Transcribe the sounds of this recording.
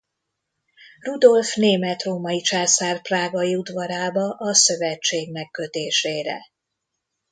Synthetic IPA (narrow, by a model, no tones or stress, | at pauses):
rud̪o̞lfneːmɛt̪roːmɒit͡ʃaːsaːrpraːɡɒiud̪vɒɾaːbɒʔɒsøvɛt͡ʃːeːɡmɛkːø̞t̪eːʃeːɾɛ̰